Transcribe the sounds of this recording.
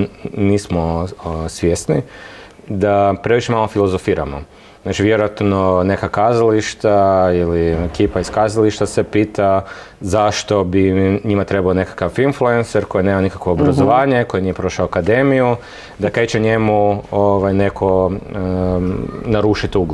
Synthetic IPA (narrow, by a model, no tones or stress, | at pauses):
niːsmosʋjesni | d̪apɾe̞ʋiʃemalˠofilˠo̞zofiːɾa̰mo̰ | nat͡ʃiʋjeɾojat̪no̞ne̞kakaːzaliʃt̪ailiekiːpaiskaːzaliʃt̪asepiːt̪azaʃt̪o̞biɲimat̪ɾebaone̞kḁkafinfluenseɾko̞jinemanikakʋo̞obɾazoʋaːɲe̞ko̞jenijepɾo̞ʃaoakad̪e̞miju | d̪aket͡ʃeɲe̞muoʋajne̞kʰo̞ | naɾuʃit̪uɡ